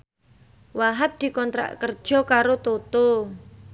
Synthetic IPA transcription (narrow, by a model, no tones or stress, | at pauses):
waɦap̚d̪̥i̤kɔnt̪ɾa̰ʔkərd̥ʒ̥ɔ̤kaɾot̪ot̪o